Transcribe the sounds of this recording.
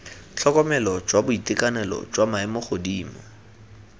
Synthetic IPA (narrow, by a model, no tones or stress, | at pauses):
t͡ɬʰɔkɔmɛlɔt͡ʃʼwabʊitʼɪkʼanɛlɔ̰t͡ʃwamaɪmʊχʰodiːmɔ